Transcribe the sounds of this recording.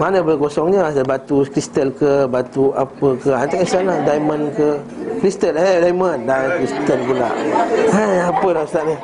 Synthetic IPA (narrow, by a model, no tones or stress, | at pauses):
manəbəkosɔŋɲəasabat̪ukɾist̪əlkəbat̪uapəkəant̪aʔisanlahdajmə̃nkəkɾist̪əledajməndankɾist̪əlpula̰ʔajapəlasaʔni